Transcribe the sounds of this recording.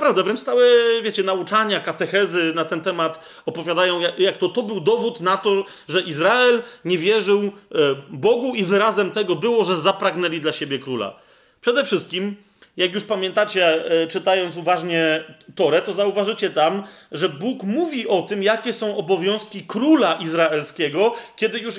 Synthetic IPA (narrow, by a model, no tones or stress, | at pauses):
pɾavd̪ɛvɾɛnt͡ʂt̪awɛvʲjet͡ɕɛnaut͡ʂaɲakat̪ɛxɛzɘnat̪ɛnt̪ɛmat̪ | ɔpɔvʲjad̪ajɔ̃w̃jajakt̪ɔt̪ɔbɘwd̪ɔvut̪nat̪ɔ | ʐɛʔizɾaɛlɲɛvʲjɛʐɘw | bɔɡuivɘɾazɛmt̪ɛɡɔbɘwɔʐɛzapɾaɡnɛlʲid̪laɕebʲjɛkɾula̰ | pʂɛd̪ɛfʂɘst̪̚kʲim | jakjuʂpamʲjɛnt̪at͡ɕɛt͡ʂɘt̪ajɔnt̪uvaʐɲɛt̪ɔɾɛt̪ɔzauvaʐɘt͡ɕɛt̪am | ʐɛbukmuvʲiʔɔt̪ɘmjakʲɛsɔ̃w̃ɔbɔvʲjɔ̃w̃skʲikɾulaʔizɾaɛlskʲɛɡɔkʲɛd̪ɘjuʂ